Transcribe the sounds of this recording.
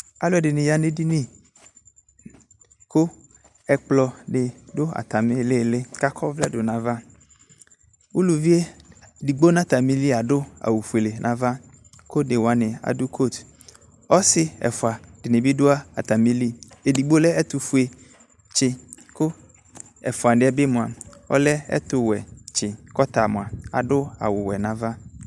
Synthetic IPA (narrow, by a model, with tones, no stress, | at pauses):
a˨lʊ˦ɛ˨dɪ˨nɪ̃˨ja˨ne˦di˦nĩ˦ | kʊ˦ | ɛ˨k͡plɔ˨ɖɪ˨dʊ˦a̰˨t̪a˨mɪ˦le˦˨lɪ˦ka˦kʰɔ˦vlɛ˦dʊ˨nã˨va˦ | wu˦lu˨vi˦e˦di˨ɡ͡bo˦nã˦t̪a˨mĩ˦li˦a˨ɖʊ˦a̰˨wu˨fu˨e˨le˨nʔã˨va˦ | ko˦dɪ˨wa˨nɪ̃˨a̰˨dʊ˦kʰo˦˨t̪ | ɔ˦sɪ˨ɛ̰˨fʊ˨a˨d̥ɪ˨nɪ̃˨bɪ˦dʊ˦a˦a˨t̪a˨mĩ˦li˦e˨di˨ɡ͡bo˦lɛ˦ɛ˦t̪ʊ˨fu˨e˨ | t͡ʃɪ˦ | kʊ˦ | ɛ̰˨fʊ˨a˨ɖɪ˦ɛ˦bɪ˦mʊ̃˨a̰˨ɔ̰˦lɛ˦ɛ̰˦t̪ʊ˨wɛ˨t͡ʃɪ˨kɔ˦t̪a˨mʊ̃˨a˨a̰˨dʊ˦a̰˨wʊ˨wɛ˨nã˨va˦